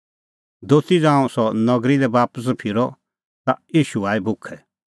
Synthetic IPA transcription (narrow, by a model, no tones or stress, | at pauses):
d̪oːst̪id͡zãːũsɔnɐɡɾilɛbaːpəs̬pʰɪɾɔ | t̪ajiːʃuaːibʱʊkʰːɛ